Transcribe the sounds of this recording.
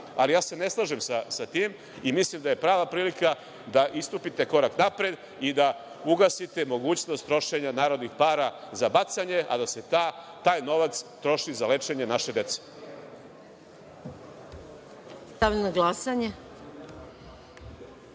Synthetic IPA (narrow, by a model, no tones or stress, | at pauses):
alijaːse̞ne̞slˠaʒemsasat̪iːm | imislimd̪aje̞pɾaːʋapɾiːlika | d̪aʔist̪upit̪e̞ko̞ɾaknapɾe̞d̪ | id̪a | uɡasit̪emo̞ɡuːt͡ɕnost̪ːɾo̞ʃe̞ɲanaːɾo̞d̪nixpaːɾazabat̪saɲe̞ʔa̰d̪ase̞t̪a | t̪aːjno̞ʋat̪st̪ɾo̞ʃizale̞t͡ʂe̞ɲe̞naʃe̞d̪e̞t̪se̥ | st̪aʋiʎnoɡlˠasaɲe